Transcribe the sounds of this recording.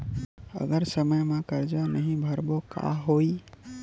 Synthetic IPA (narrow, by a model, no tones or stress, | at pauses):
ə̰ɡəɾsəməjmẽkəɾd͡ʒanəɦĩbʱəɾboka̰ɦoi